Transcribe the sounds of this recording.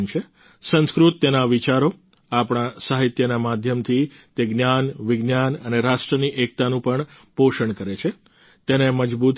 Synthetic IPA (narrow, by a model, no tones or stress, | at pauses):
nt͡ʃʰe | sə̃nskɾut̪ːenaʋit͡ʃaɾo | apɳ̃asaɦit̪jənamad̪ʱjəmt̪ʰit̪eɡnjanʋɪɡnjanəneɾaʃʈɾəniʔek̚t̪anũpəɳpoʃəɳkəɾet͡ʃʰe | t̪eneməd͡ʒbut̪